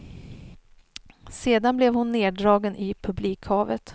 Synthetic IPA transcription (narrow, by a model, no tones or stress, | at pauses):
seːd̪anblɛvhʊnːeːɖɾɑːɡənʔɪpʰɵbliːkhɑːvət̪